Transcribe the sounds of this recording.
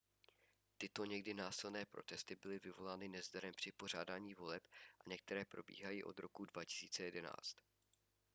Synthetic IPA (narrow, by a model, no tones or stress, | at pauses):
t̪ɪt̪o̞ɲɛɡdɪnaːsɪlnɛːpɾo̞̰t̪ɛst̪ɪbɪlɪvɪvo̞laːnɪnɛzdaɾɛmpr̥ɪpo̞r̝aːdaːɲiːvo̞lɛpʔaɲɛk̚t̪ɛɾɛːpɾo̞bḭːɦajiːʔo̞̰d̪ɾo̞kudvacɪ̥siːt͡sɛjɛdɛna̰ːt͡st̪